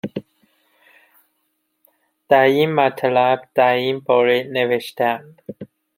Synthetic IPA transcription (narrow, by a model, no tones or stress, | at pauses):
d̪̥æɾinmæt̪ʰlæbd̪̥æɾinbɒːɾeneveʃt̪ænd̪